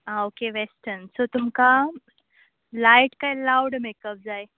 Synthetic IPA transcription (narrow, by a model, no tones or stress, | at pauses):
aokeʋesʈənsot̪umka | laiʈkailawɽmekəp̚d͡zaj